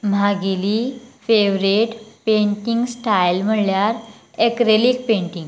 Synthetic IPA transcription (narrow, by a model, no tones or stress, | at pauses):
m̤aɡeliːfeʋɾeʈpẽɳʈiŋɡsʈajlm̤əɽljaɾ | ekɾelik̚pẽɳʈĩŋɡ